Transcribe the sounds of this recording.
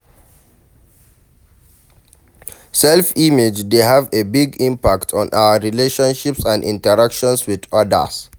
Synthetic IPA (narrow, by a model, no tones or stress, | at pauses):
sɛlfimed͡ʒdeɦavebiɡĩmpaktʰɔ̃naʊəɹileʃɔ̃nʃipsãndḭ̃ntəɹakʃɔ̃nswiðʌdə̰s